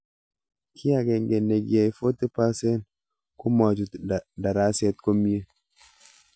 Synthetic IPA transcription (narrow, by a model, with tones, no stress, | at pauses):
kʰi˦a˨ɡɛ˨ŋɡe˨nːe˨ɡi˨a˨jfo˦t̪ːɨ˦pa˦se˦n | ku˦ma˨d͡ʒu˨tda˨ɾa˦se˦t̪̚ko˦mi˦e˦